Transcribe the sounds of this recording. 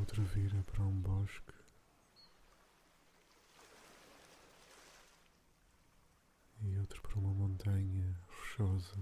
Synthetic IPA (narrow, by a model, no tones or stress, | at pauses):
ot̪ɾɐviɾɐpɐɾɐũbɔʃk | iot̪ɾɐpɐɾɐumɐmõnt̪ɐɲɐfɨ̥ʃɔzɐ